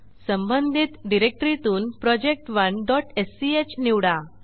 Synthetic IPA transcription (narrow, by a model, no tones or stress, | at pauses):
səmbənd̪ʱit̪ɖiɾek̚ʈɾit̪uːnpɾɔd͡ʑek̚ʈʋəɳɖɔʈesiet͡ɕniʋɽa